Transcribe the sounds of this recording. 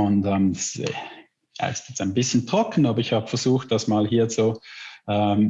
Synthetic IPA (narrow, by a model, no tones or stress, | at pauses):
ʊntɛːmdas | ja̰ɪstjɛt͡staɪnbɪsçəntʁ̥ɔkn̩aːbɐɪçhaːbəfɛɐzuːxt̚d̥asmaːlhiːɐt͡suʔɛm